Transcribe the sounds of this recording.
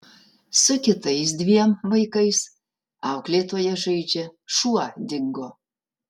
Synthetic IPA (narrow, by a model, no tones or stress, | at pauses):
sʊkʲɪt̪ɐɪs̬d̪ʲʋʲiɛmvɐɪkɐɪs | ɑʊklʲet̪oːjɛʒɛjd͡ʒʲɛʃuɑd̪ʲɪŋɡo